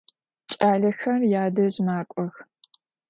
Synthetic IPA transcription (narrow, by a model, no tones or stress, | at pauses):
t͡ʃʼaːɮɐxɐrjaːdɐzmaːkʷʼɔx